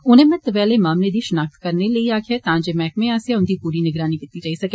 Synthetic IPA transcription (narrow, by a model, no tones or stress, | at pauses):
ʊnɦẽmɐ̃t̪ːʋɛːlemaːmled̪ʱiʃʊnaːkt̪kɐɾneleiaːkʰɛt̪ãːd͡ʒemɛːk̚mẽaːsiaʊnd̪ipuːɾinɪɡɾaːnikɪt̪ːiɾɐɦisɐk